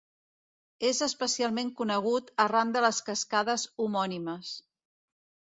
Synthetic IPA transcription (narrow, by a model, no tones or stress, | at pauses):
ezəspəsialˠmeŋkunəɣ̞ut̪ərand̪ələskəskaðəzumɔniməs